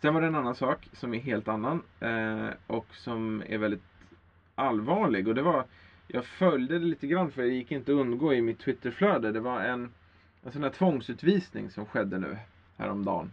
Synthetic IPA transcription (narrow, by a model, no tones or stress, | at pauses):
sɛnvaɾɖɛnanːansɑːksɔmæɾɦeːlt̪anːan | ʔɔksɔmæ̰ɾvɛld̪ɪt̪ | ʔalvɑːɭɪɡɔd̪ɛvaɾ | jʔɑ̰ːɡfœljd̪əd̪ɛliːt̪əɡɾanːfœɾjɪkːɪnt̪əɔɵnd̪ɡoːɪmɪt̪ʰːwɪt̪ːəɾfløːd̪əd̪ɛvaɾɛn | ɛnsɔnhæːʈ̪tʰvɔŋsʉ̟ːt̪viːsnɪ̰ŋsɔmɧɛd̪ːənʉ̟̰ː | hæ̰ːɾɔmd̪ɑ̰ːn